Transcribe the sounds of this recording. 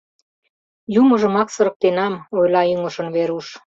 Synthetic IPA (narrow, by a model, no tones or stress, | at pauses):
juməʒə̆mɑksə̆ɾə̆k̚t̪enɑmojlɑyŋə̆ʃə̆nβeɾuʃ